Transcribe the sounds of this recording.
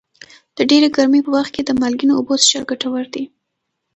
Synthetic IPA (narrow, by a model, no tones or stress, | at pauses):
d̪̥əɖeɾeɡaɾmepəwaxt̪̚ked̪əmalɡinoːbosʃaɾɡaʈawəɾd̪i